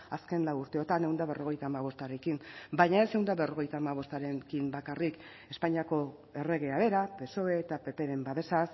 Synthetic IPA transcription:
aske̞nlawuɾt̪e̞o̞t̪ane̞wnd̪aβ̞e̞rʔo̞ɣ̞e̞jt̪aːmaβ̞o̞st̪aɾekimbajɲae̞se̞wnd̪aβe̞ro̞ɣ̞e̞jt̪aːmaβ̞o̞st̪aɾekimbakarik | espaɲiako̞ | e̞re̞ɣ̞e̞aβ̞e̞ɾape̞so̞e̞ːt̪ape̞pe̞ɾe̞mbaðe̞sas

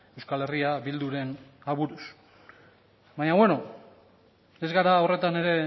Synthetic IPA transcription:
e̞wskale̞riaβild̪uɾe̞n | aβuɾus | baɲaβwe̞no̞ | e̞zɣaɾao̞re̞t̪ane̞ɾe̞

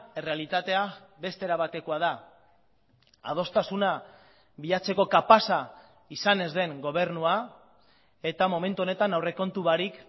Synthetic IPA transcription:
e̞re̞alit̪at̪e̞abe̞st̪eɾaβat̪e̞koaða | a̰ð̞o̞st̪asuna | βiʎat͡se̞ko̞kapasa | isane̞zðe̞ŋɡo̞β̞e̞ɾnua | e̞t̪amo̞me̞nt̪uo̞ne̞t̪anawre̞ko̞nt̪uβaɾik

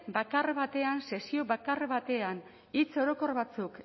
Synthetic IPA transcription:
bakarβat̪e̞anse̞sioβakarβat̪e̞an | it͡so̞ɾo̞ko̞ɾβat͡suk

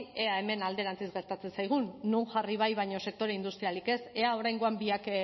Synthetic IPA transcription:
e̞ae̞me̞nald̪e̞ɾant͡sisɡe̞ɾt̪at͡se̞nsajɣ̞unːuŋʝariβ̞ajβajɲo̞se̞k̚t̪o̞ɾeind̪ust̪ɾialike̞se̞ao̞ɾajŋɡo̞ambiak

